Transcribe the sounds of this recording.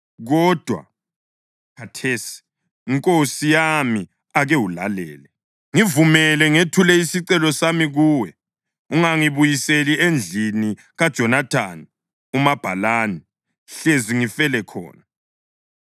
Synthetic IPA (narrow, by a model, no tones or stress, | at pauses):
ɣɔd̥ʱwa̰ | kʰatʰesi̥ | iŋkʼosijami | aɣɛwulalɛ̰ːlɛ | ŋivumɛlɛŋetʰulɛisiǀɛlɔsamiɣuːwɛ | uŋaŋiβujiseliend͡ɮʱini | ɣad̥ʒ̥ʱɔnatʰan | umab̥ʱalaːni | ɬeziŋifɛlɛkʰɔ̰ːna